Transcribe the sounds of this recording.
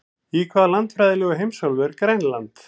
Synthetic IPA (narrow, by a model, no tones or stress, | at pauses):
ikʰvaːðalant̪fɾajðɪlɛɣʏɦejmsɔlvɛɾkɾejnlant̪